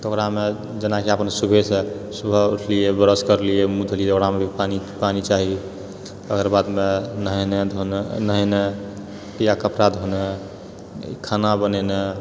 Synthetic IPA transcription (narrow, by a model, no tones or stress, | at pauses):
t̪okɾame | d͡ʒənakeapənsubʱesesubʱəuʈʰliebəɾəskəɾliemud̪ʱlieoɾamebʱipanipanit͡ʃaɦi | əkəɾbad̪menɦned̪ʱonəɦene | pijakəpɾad̪ʱonḛ | kʰanabənɛne